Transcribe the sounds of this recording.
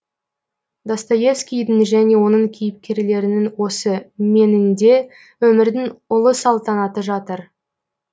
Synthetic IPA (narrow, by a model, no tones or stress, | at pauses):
d̪ɑst̪ɑje̞fskʲijd̪ɪŋʒæne̞wo̞nəɴkʲʰijɪp̚kʲe̞ɾle̞ɾɪnɪŋwo̞səme̞nɪnd̪e̞ | wɵmɪɾd̪ɪŋʊlˠəsɑlˠt̪ɑnɑt̪əʒɑt̪əɾ